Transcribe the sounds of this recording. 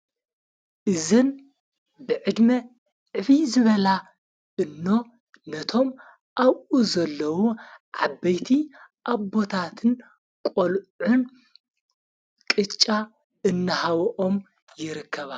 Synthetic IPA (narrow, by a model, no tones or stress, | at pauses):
ʔɨzɨn | bɨʕɨd̪mɐ | ʕɨβizɨβɐla | ʔɨnːo̞ | nɐt̪ʰo̞m | ʔawʔuzɐlːɐwuʕa̰bːɐjt̪ʰiʔaβbo̞t̪ʰat̪ʰɨn | kʼolʕʊn | kʼɨt͡ʃʼːa | ɨnːɐhawʔom | jɪɾɨkʰːɐβa